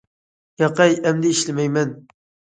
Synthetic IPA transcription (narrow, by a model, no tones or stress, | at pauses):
jɑqɑjɛmd̪ɪiʃlɪmɛjmɛn